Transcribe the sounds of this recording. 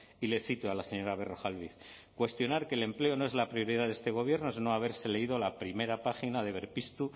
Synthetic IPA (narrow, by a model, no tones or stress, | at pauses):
ile̞θit̪oalaseɲo̞ɾaβe̞ro̞xalβiθkwe̞st̪jo̞naɾke̞le̞mple̞o̞noe̞zlapɾio̞ɾiðaðe̞st̪e̞ɣo̞β̞jeɾnoeznoaβe̞ɾse̞le̞ið̞olapɾime̞ɾapaxinað̞e̞βe̞ɾpist̪u